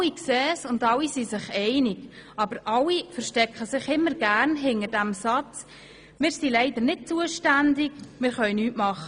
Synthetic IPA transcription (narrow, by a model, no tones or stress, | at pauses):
iksɛːsʊndɑlːisisɪχɛɪnɪɡɑb̥əɾʔɑlifəɾʃtɛkχəsɪχɪmːəɾɡ̥æːɾnɦɪnəd̥æmsɑt͡s | mɪːɾsilɛɪdəɾnɪt̚t͡suəʃtændɪɡmɪːɾχœʏnyːtmɑχə